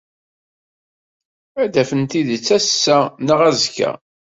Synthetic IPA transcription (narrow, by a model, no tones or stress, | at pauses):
æd̪æfənt̪iðt͡sːæsːænəʁæzkæ̰